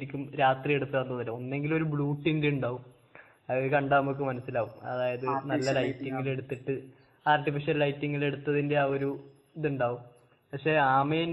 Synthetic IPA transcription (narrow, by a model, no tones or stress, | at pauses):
ɾikʲːumɾaːt̪rije̞ɽut̪ːɐɐnːuðilːɐo̞nːe̞ŋɡilumo̞ɾubɭuːʈːiŋdiuɳɖaːʋum | ɐkɐɳɖaːmokːɨmɐnɐsːilaːʋumɐ̰ðaːjɐðɨnɐlːɐlɐjtːiŋːɐle̞ɽut̪ːiʈːɨ | aːrʈːifiʂɐllɐjtːiŋːile̞ɽut̪ːɐðinde̞aːoɾu | iðuɳɖaːʋum | pɐkʂe̞aːmeːn